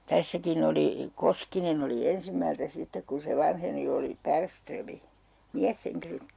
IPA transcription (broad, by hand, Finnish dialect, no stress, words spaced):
tæsːækin oli koskinen oli ensimːæltæ sitːek ku se ʋɑnheni oli pærstrømi miæsheŋkiløt